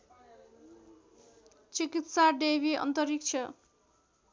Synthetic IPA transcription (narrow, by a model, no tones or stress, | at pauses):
t͡sikit̪saɖebiʌ̰nt̪ʌɾik̚t͡sʰʌ